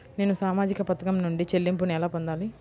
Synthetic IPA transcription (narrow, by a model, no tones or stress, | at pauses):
ne̞ːnusaːmaːd͡ʒikɐpɐt̪ɐkɐmnuɳɖit͡ʃe̞lːimp̬unɛlaːpond̪aːli